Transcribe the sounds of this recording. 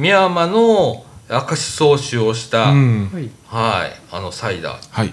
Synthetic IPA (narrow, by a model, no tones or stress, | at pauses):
mʲiamanoakaɕi̥so̞ːɕɨoɕi̥t̪a | haḭano̞said̪a̰hai